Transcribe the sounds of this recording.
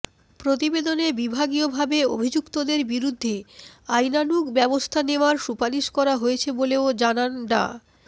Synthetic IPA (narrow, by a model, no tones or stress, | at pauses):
pɾot̪̬ibed̪onebibʱaɡiobʱabeo̰bʱid͡ʑukt̪od̪eɾbiɾud̪ʱːeajnanukbɛbost̪ʰaneoaɾʃupaliʃkɔɾaɦoet͡ɕʰeboleod͡ʑananɖa̰